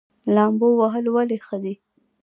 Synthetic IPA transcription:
lɑmbowaɦəlwalexəd̪i

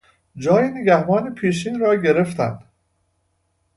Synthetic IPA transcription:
d͡ʒɒːjineɡæhbɒːnepʰiːʃ̬iːnɾɒːɟeɾe̞ft̪æ̰nd̪̥

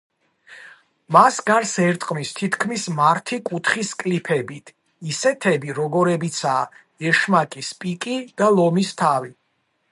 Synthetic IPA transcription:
masɡaɾsɛɾt̪ʼqʼmist̪ʰit̪ʰkʰmismaɾt̪ʰikʼut̪ʰχiskʼlipʰɛbit̪ʰ | isɛt̪ʰɛbiɾɔɡɔɾɛbit̪sʰaː | ɛʃmakʼispʼikʼid̪̥alˠɔmist̪ʰavi

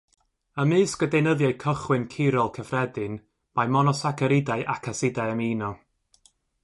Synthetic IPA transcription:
əmɨːskədejnəðjaɨkʰəχwɨnkʰɪɾɔlˠkʰəfrɛdɨn | majmɔnɔsakʰəɾɪdaɨʔakʰasɪdajəmiːnɔ

